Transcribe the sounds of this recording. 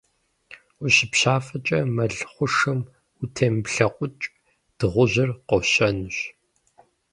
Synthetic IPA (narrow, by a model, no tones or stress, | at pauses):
ʊɕɪpɕaːfɐt͡ʃʼɐmɐɮχʷʊʂɨm | ʊtʰeːmpɬɐqʷʼʊt͡ʃʼ | d̥ɨʁʷʊʑɪrqɔɕɐnʊɕ